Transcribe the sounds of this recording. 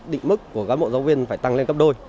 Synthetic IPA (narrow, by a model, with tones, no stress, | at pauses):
ɗḭ˧˨ŋ̟mɨ˦˥kːu˧˩əɣaː˨˦mo̰˧˨zaː˨˦wvi˧ənfaː˧˩jt̪a˧ŋle˧nkə˦˥p̚ɗo˧j